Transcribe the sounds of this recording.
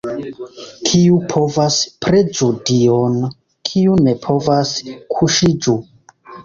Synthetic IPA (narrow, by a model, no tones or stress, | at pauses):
kʰiupʰo̞vaspɾed͡ʒudion | kʰiune̞pʰo̞vaskʰuʃid͡ʒu